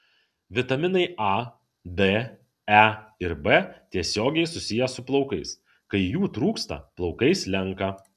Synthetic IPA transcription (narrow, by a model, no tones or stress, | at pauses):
ʋʲɪt̪ɐmʲɪnɐɪɐ | d̪e | æɪɾbet̪ʲiɛsʲoːɡʲɛɪsʊsʲɪjɛsʊplˠɒʊkɐɪs | kɐɪjuːt̪ɾuːkst̪ɐ̰plˠɒʊkɐɪslʲɛŋˑkɐ